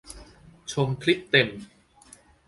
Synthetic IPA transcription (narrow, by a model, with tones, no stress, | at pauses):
t͡ɕʰo˧mkʰli˦˥tt̪e˧m